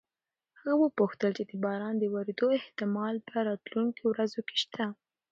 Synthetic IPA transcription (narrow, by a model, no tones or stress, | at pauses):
awəpuxt̪əlt͡ʃed̪əbɑɾɑnd̪əwaɾd̪oɪht̪ɪmɑlpəɾɑt̪luŋkowɾazoke̥ʃt̪ʰa